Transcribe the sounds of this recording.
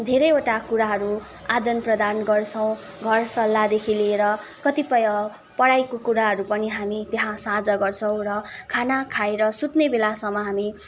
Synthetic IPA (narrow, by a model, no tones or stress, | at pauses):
d̪ʱeɾʌjoʈakuɾaɦʌɾu | ad̪ʌnprʌd̪anɡʌrt͡sʰʌ̃w̃ | ɡʱʌrsʌlːad̪ekʰileːɾʌkʌt̪ipʌjʌ | pʌɽajkokuɾaɦʌɾupʌniɦamit̪eɦãsãd͡zʌɡʌrt͡sʰʌw̃rʌkʰanakʰajɾʌsut̪nebelasʌmːʌɦami